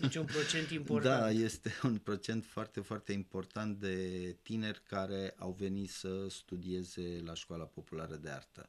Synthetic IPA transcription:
t͡ʃunpɾot͡ʃent̪impotd̪aaje̞st̪e̞unpɾo̞t͡ʃe̞nt̪foart̪e̞foart̪e̞impo̞rt̪ant̪̚d̪e̞t̪ine̞rʲkaɾe̞ʔawve̞nit̪səst̪ud̪ie̞ze̞laʃkoalapo̞pulaɾəd̪e̞a̰rt̪ə̰

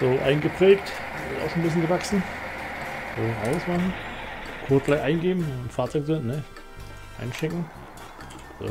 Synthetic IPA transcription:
z̥oːʔa̰ɪnɡəpʁ̥ɛːkt | ɪʔa̰ʊxʃoːnbɪs̬jənɡəvaksn̩ | z̥oːʔandəsmaχn̩kʰʊɐtɡlaɪçʔaɪnɡeːbm̩nfaːɐt͡sɔɪkzɪntnɛ | ʔa̰ɪnʃɛŋkŋ̩ | z̥o̰ː

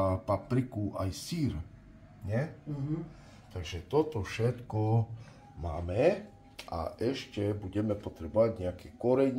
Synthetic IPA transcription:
papɾikuʔajsiːɾ | ɲɛ | t̪aɡʒɛt̪ɔt̪ɔfʃɛt̪kɔ | ma̰ːmɛ | ʔa̰ʔɛʃcɛbuɟɛmɛpɔt̪ɾɛbɔʋaɟɲɛakɛːkɔɾɛɲ

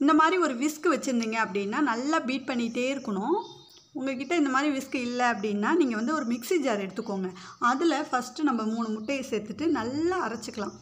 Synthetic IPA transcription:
ɪnd̪ɐmaːd̪ɾiɔɾɯʋɪskɯʋɛt͡ʃːɯɾɯnd̪iːŋɡɐɐpːɐɽɪnːaːnɐlːaːbiːʈ̚pɐɳːɪʈːeːɪɾɯkːɐɳʊ̃ | ʊŋɡɐk̬ɪʈːɐɪnd̪ɐmaːd̪ɾiʋɪskɯɪlːɛɐpːɐɽɪnːaːniːŋɡɐʋɐnd̪ɯɔɾɯmɪksid͡ʒaːɾɛɽɯt̪ːɯkːoːŋɡɐɐðɯlɐfɐsʈɯnɐmbɐmuːɳɯmʊʈːɐjɐseːɾt̪ːɯʈːɯnɐlːaɐɾɐt͡ʃːɯkːɐlãː

